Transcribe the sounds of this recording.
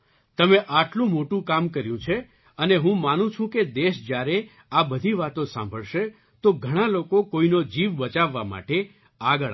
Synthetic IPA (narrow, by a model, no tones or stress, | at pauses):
t̪əmeʔaʈlũmoʈũkamkəɾjũt͡ʃʰe | əneɦũmanũt͡ʃʰũked̪eʃd͡ʒjaɾe | abəd̪ʱiʋat̪õsã̰mbʱəɭʃe | t̪oɡʱəɽ̃alokokoinod͡ʒiʋbət͡ʃaʋːa̰ma̰ʈe | aɡəɭ